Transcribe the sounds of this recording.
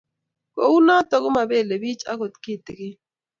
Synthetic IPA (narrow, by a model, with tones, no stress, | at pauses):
ko˨u˦na˦tɔ˨kʊ˦ma˨be˦˨le˨bi˦t͡ʃa̰˦kʊ˨t̪kɪ˦˨tɪ˨kɪ˦